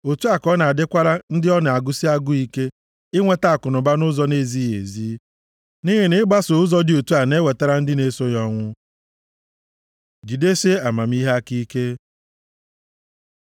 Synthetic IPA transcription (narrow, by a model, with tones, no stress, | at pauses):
o˨tu˦a˨kɔ˦na˨a˨dɪ˦kʷa˦ɾa˦n̩˦dɪ˦ɔ˦na˨a˨ɡʊ˦si˦a˦ɡʊ˦i˦ke˦ | ɪ˦ŋʷe˦ta˨a˨kʊ˨nʊ˨ba˦nʊ˦zɔ˦ne˦˨zi˦jḛ˨zi˦ | ni˦ɦɪ˨nɪ˦ba˦so˨ʊ˦zɔ˦dɪ˦o˨tu˦a˨ne˦we˨ta˦ɾa˦n̩˦dɪ˦ne˦so˦jɔ˦ŋʷʊ˦ | d͡ʒi˨de˦se˦a˨ma˨m˦i˦ɦa˦ki˦ke˦